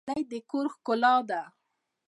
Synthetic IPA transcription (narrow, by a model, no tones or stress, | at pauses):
lajd̪əkoɾxkʊlɑd̪a